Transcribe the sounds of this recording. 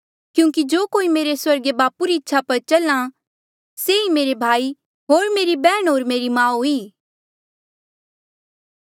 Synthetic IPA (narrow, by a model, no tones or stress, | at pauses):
kjũːŋkid͡ʒoːkoːimeːɾeswɐɾɡebaːpuɾiɪtːʃʰapɐɾt͡ʃɐlã | seimeːɾebʱaːi | ɦoːɾmeːɾibɛːɽ̃ɦoːɾmeːɾimãːɦuiː